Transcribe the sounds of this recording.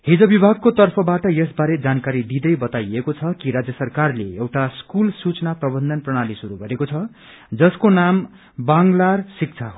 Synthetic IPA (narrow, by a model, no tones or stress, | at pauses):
hid͡zʌbibʱaɡ̚kot̪ʌrpʰʌbaʈʌjʌsbaɾed͡zankaɾid̪id̪ʌjbʌt̪ajekot͡sʰʌkiɾad͡zjʌsʌrkarleewʈaskulsut͡snaprʌbʌnd̪ʱʌnprʌɽ̃alisuɾuɡʌɾekot͡sʰʌ | d͡zʌskonam | baŋlarsik̚t͡sʰaɦo